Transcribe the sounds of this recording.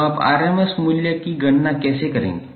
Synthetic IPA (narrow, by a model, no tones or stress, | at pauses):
apa̰ɾeməsmuljakiɡəɳːakɛsekəɾḛ̃ŋɡ